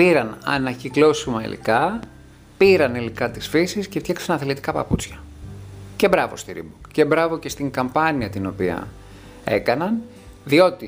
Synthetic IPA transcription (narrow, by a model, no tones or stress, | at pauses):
piɾɐnɐ̰nɐçiklo̞simɐḭlḭkɐ | piɾɐnilikɐt̪isfisisce̞ft̪çɐksɐnɐθelit̪i̥kɐpɐ̰put͡sçɐ̥ | ce̞bɾɐvo̞̰st̪iɾḭboce̞bɾɐvo̞ce̞st̪iŋkɐmpɐniɐt̪ino̞piɐ̰ | e̞̰kɐnɐn | ðio̞t̪i